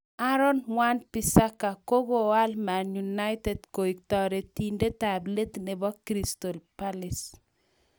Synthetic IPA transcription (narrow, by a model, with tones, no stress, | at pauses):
aɾɔ˦nmwanpi˨sa˦ka˨ko˦ɡo˨wa˦lma˨njuna˦jtɛdko˨ik̚tɔɾe˨tinde˦ta˨ble˦tne˨bɔ˦kɾistɔ˨lpalɪs